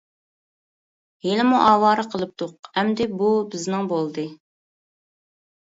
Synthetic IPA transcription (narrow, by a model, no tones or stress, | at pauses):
helɪmuʔɑːwɑːɾɨqʰəlˠɨp̚t̪ʰoqɛmd̪ɪbubɪznɪŋbolˠd̪ɨ